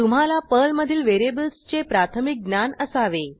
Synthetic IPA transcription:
t̪um̤alapəlməd̪ʱiːlʋeɾebəlst͡ɕepɾat̪ʰəmik̚ɡnanəsaʋe

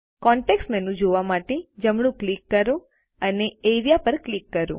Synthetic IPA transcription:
kɔɳʈeksʈmenũd͡ʒoʋamaʈed͡ʒəmɽ̃ũklikːəɾũ | əneeɾijapəɾklikːəɾṵ̃

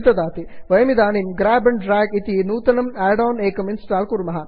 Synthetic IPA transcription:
t̪ɐd̪aːt̪iʋɐjɐmid̪aːnimɡɾaːbɐɳɖɾaːɡit̪inuːt̪ɐnɐmaːɖaːneːkɐminsʈaːlkuɾmɐɦɐ

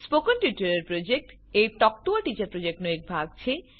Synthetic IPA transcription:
spokonʈjuʈoɾeɾpɾod͡ʑek̚ʈ | ejʈɔk̚ʈoaʈit͡ɕaɾpɾod͡ʑek̚ʈnoek̚bʱaɡ̚t͡ɕʰe

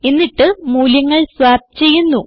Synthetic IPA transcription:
enːiʈːɨmuːljɐŋːɐɭswaːb̚t͡ɕe̞jːunːu

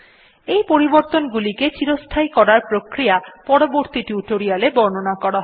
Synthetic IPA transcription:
ejpoɾiboɾt̪onɡuliket͡ɕiɾost̪ʰajkɔɾaɾpɾokɾijapɔɽoboɾt̪iʈuʈoɾialebɔɾnonakɔɽaɦɔ

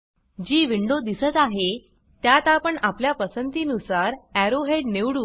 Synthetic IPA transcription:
d͡ʑiːʋiɳɖod̪isət̪aɦe | t̪jat̪apəɳapljapəsənt̪iːnusaɾæɾoɦeɖneʋɽu

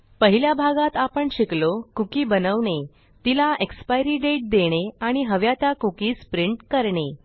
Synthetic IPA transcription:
pəɦiljabʱaɡat̪apəɳɕiklokukiːbənəʋɳe | t̪ilaʔekspajɾiːɖeʈ̚d̪eɽ̃eaɽ̃iɦəʋjat̪akukiːspɾiɳʈkəɾɳe

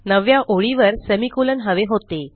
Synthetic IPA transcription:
nəʋjaʔoɭiʋəɾsəmikulənɦəʋeɦot̪e

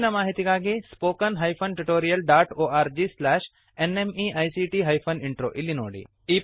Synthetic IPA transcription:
nɐmaːɦit̪ikaːɡespoːkɐnɦajpʰɐnʈuʈoːɾijɐlɖaːʈoːaːɾd͡ʒiːslɛːʃ | enemiʔaːjsiːʈiɦɐjpʰɐniɳʈɾoːʔilːino̰ːɽḭː | iː

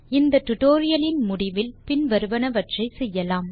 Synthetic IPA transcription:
ɪnd̪ɐʈ̪ʊʈoːɾɪjɐlɪnmʊɽɪʋɪlpɪnʋɐɾɯʋɐnɐʋɐʈrɐɪsɛjːɐlaːm

